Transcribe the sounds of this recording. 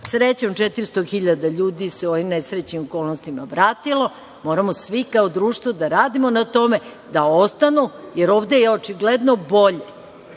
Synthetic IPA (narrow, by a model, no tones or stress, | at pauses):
sɾet͡ɕomt͡ʃet̪iɾst̪oxiʎad̪aʎuːd̪iseoʋimnesɾet͡ɕɲimoko̞ːlˠnost̪ima̰bɾaːt̪ilo̞ | mo̞ɾamosʋikaod̪ɾuːʃt̪ʋod̪aɾaːd̪imonat̪o̞me̞ | d̪aost̪anujeɾo̞ːʋd̪ejeot͡ʃiɡled̪nobo̞ʎe